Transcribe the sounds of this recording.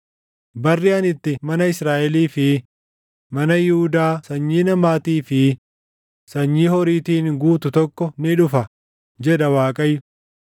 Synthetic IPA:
bɐrːɪɐnɪt̪ːɪmɐnɐɪsɾaːʔɛliːfɪ | mɐnɐjɪhʊd̪aːsɐɲːiːnɐmaːt̪iːfɪ | sɐɲːiːhɔɾiːt̪iːnɡuːt̪ʊt̪ɔkːɔnɪᶑʊfɐ | d͡ʒɛᶑɐwaːkʼɐjːʊ

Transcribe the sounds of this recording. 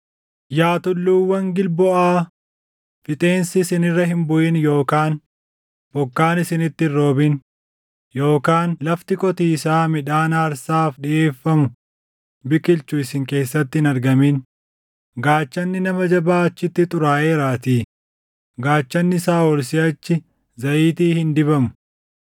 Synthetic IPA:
jaːt̪ʊlːuːwːɐŋɡɪlbɔʔaː | fɪt̪ʼe̞ːnsɪsɪnɪrːɐhɪmbʊʔɪnjo̞ːkaːn | b̥ɔkːaːnɪsɪnɪt̪ːɪrːo̞ːbɪn | jo̞ːkaːnlɐft̪ɪkʼɔt̪iːsaːmɪᶑaːnaːɾsaːfᶑɪʔeːfːɐmʊ | bɪkʼɪlt͡ʃʊɪsɪŋke̞ːsːɐt̪ːɪɪnɐɾɡɐmin | ɡaːt͡ʃːɐnːɪnɐmɐd͡ʒɐbaːɐt͡ʃːɪt̪ːɪt̪ʼʊɾaːʔe̞ːɾaːt̪iː | ɡaːt͡ʃːɐnːɪsaːwɔlsɪɐt͡ʃːɪ | zɐʔiːt̪iːhɪnd̪ɪbɐmʊ̥

